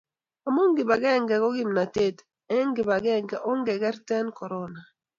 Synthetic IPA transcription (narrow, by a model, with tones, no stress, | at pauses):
a˨mo˦ŋɡɪ˨ba˨ɡɛ˦˨ŋɡɛ˨kɔ˦ɡɪ˦mna˨te˦˨t | ɛ˦ŋɡɪ˨ba˨ɡɛ˦ŋɡɛ˨ʔɔ˦ŋɡɛ˨ɡɛ˦ɾtɛ˦nkɔ˨ɾɔ˦na˨